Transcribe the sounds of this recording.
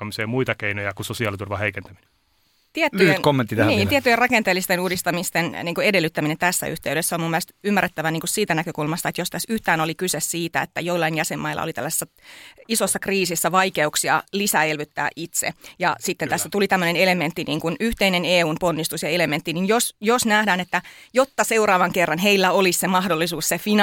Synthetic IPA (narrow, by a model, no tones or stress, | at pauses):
ɑmiseːmuit̪ɑkeinojɑkusosiɑːlit̪urʋɑheikent̪æmine | t̪iet̪ːynkomːent̪ːit̪æniːnt̪iet̪ːyjerɑkent̪eːlːist̪enuːdist̪ɑmist̪enniːŋkoedelːyt̪ːæminent̪æsːæ̰y̰ht̪eyɾesːæomumːielest̪ymːærːet̪ːæʋæniːŋkussiːt̪ænækøkulmɑst̪ɑet̪jost̪æsyht̪æːnolikysessiːt̪æḛt̪ːæjoilːɑinjæsemːɑilːˑɑ̰o̰lit̪æ̰lːæse̥sːæ | isosːɑkriːsisːæʋɑikeuksiɑlisæelʋyt̪ːæ̰ːʔit̪sḛjɑsit̪ːent̪æsːæt̪ulit̪æmːønenelement̪ːiniːŋkunyht̪eineneːuːmponːist̪usjɑelement̪ːininjosjosnæhdæːnet̪ːæjot̪ːɑseurɑːʋɑŋkerːɑnɦeilːæolissemɑhdolːisuːssefin